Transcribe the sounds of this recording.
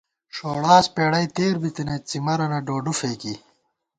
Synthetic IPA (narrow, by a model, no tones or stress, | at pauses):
ʂoːɽaːspeːɽɐjt̪eːɾbit̪inɐt͡simɐɾɐnɐɖoːɖufeːki